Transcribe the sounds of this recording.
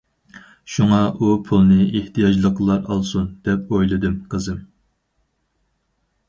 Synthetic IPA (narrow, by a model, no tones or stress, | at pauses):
ʃuŋɑupʰulˠnɨeht̪ʰijɑd͡ʒlˠəqlˠɑɾɑ̰lˠsund̪̥ɛp̚ojlˠɨd̪ɨmqʰəzɨm